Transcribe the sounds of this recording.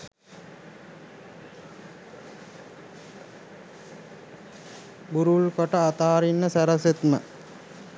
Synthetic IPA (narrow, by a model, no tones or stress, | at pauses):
buɾuɭkoʈɐːt̪aːɾinːɐsɐɾɐset̪mɐ